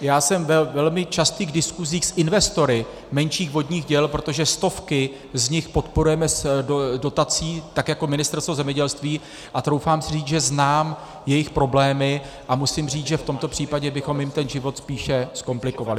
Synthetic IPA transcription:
jaːsɛmvɛvɛlmɪt͡ʃast̪iːɡdɪskuziːxsʔɪnvɛst̪o̞ɾɪ | mɛnʃiːɣvo̞dɲiːɣɟɛlpɾo̞t̪o̞ʒɛst̪o̞fkɪ | zɲɪxpo̞t̪po̞ɾujɛmɛsddo̞t̪at͡siːt̪akjako̞mɪnɪst̪ɛɾst̪vozɛmɲɛɟɛlst̪viː | ʔat̪ɾo̞wfaːmsɪriːt͡sʒɛznaːm | jɛjɪxpɾo̞blɛːmɪ | ʔamusɪmriːt͡sʒɛft̪o̞mt̪o̞pr̥iːpaɟɛbɪxo̞mjɪmt̪ɛnʒɪvo̞t̪spiːʃɛsko̞mplɪko̞valɪ

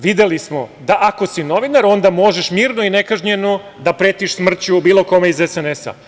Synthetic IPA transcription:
ʋid̪e̞lismo̞d̪aʔako̞sino̞ʋinaɾo̞nd̪amo̞ʒe̞ʃmiːɾnoine̞kaʒɲe̞no | d̪apɾe̞ːt̪iʃsmr̩t͡ɕubiːlˠo̞ko̞meizesenesa̰

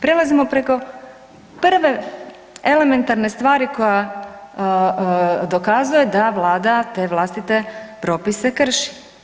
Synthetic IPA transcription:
pɾe̞lazimo̞pɾe̞ko̞ | pr̩ʋe̞ | ele̞me̞nt̪aɾne̞st̪ʋaːɾiko̞ja | d̪o̞kazuje̞d̪aʋlˠaːd̪at̪e̞ːʋlˠast̪it̪e̞pɾo̞ːpise̞kr̩ʃi̥

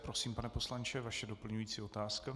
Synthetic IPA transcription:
pɾosiːmpanɛpo̞slant͡ʃɛvaʃɛdo̞pl̩ɲujiːt͡siːo̞t̪aːska

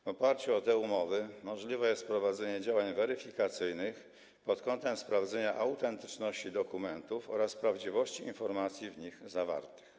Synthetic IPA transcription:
vɔpaɾt͡ɕuɔt̪ɛumɔvɘmɔʐlʲivɛjɛst̪̚pɾɔvad̪zɛɲɛd͡ʑawaɲvɛɾɘfʲikat̪sɘjnɘx | pɔt̪kɔnt̪ɛmspɾavd̪zɛɲaʔawt̪ɛnt̪ɘ̥t͡ʂnɔɕt͡ɕid̪ɔkumɛnt̪ufɔ̰ɾaspɾavd͡ʑivɔɕt͡ɕiinfɔɾmat̪sʲjivɲixzava̰ɾt̪ɘ̥x

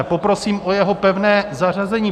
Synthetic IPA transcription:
popɾo̞siːmʔojɛɦo̞pɛvnɛːzar̝azɛɲiː

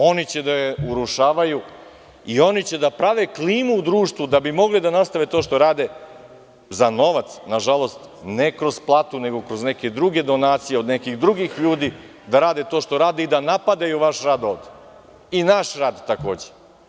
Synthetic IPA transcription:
o̞nit͡ɕed̪ajeuɾuʃaːʋaju | io̞nit͡ɕed̪apɾaʋe̞kliːmuud̪ɾuːʃt̪ʋud̪abimo̞ɡlid̪anast̪aʋe̞t̪oːʃt̪oɾaːd̪e̞ | zano̞ʋat̪snaʒalo̞st̪ | nekɾo̞zplˠaːt̪une̞ɡo̞kɾo̞zne̞ke̞d̪ɾuɡe̞d̪o̞naːt̪sijeod̪nekixd̪ɾuɡixʎuːd̪i | d̪aɾaːd̪et̪o̞ːʃt̪o̞ɾaːd̪eid̪anapad̪ajuʋaʃɾaːd̪o̞ːʋd̪e | inaʃɾaːd̪t̪ako̞ːd͡ʑe

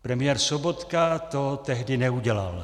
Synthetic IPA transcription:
pɾɛmɪjɛːɾsobo̞t̪kat̪ot̪ɛɦdɪnɛuɟɛla̰l

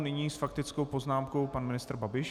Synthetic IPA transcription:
nɪɲiːsfakt̪ɪt͡sko̞wpo̞znaːmkowpanmɪnɪst̪r̩babɪʃ

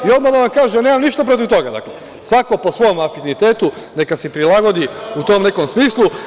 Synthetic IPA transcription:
io̞d̪mad̪aʋamkaːʒene̞ːmamniʃt̪ap̬ɾo̞t̪̬iʋt̪o̞ɡad̪a̰ːkle | sʋako̞po̞sʋo̞omafinit̪e̞ːt̪u | ne̞kasepɾilˠaɡo̞d̪iut̪o̞mne̞komsmiːslˠu

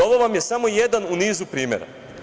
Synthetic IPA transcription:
o̞ʋoʋamje̞samo̞je̞d̪anuniːzupɾiːmjeɾa̰

